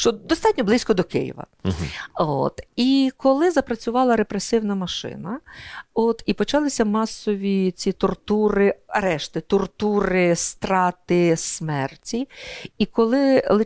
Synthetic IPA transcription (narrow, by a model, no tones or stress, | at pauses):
ʃt͡ʃɔd̪ɔst̪ɑtʲnʲɔblˠɪsʲkɔd̪ɔkɪ̰jḭʋɐ̰ | o̰t̪ikɔlˠɪzɐpɾɐt͡sʲʊʋɑlˠɐɾepɾesɪwnɐmɐʃɪ̰nɐot̪ipɔt͡ʃɑlˠɪsʲɐmɑsɔʋʲit͡sʲit̪ɔrt̪uɾɪɐɾɛʃt̪ɪt̪ɔrt̪uɾɪst̪ɾɑt̪ɪsmɛrtʲiikɔlˠɪlˠɪ